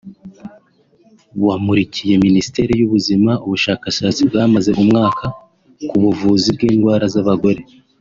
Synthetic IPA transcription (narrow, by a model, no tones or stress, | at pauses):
wamuɾicije̞minisi̥te̞ːɾijuβuzimauβuʃaːkaʃaːt͡sibɡaːmaze̞ʔumŋaːkʰa | kuβuvuːzib̚ɡiːnɡwaːɾazaβaɡo̞ɾe̞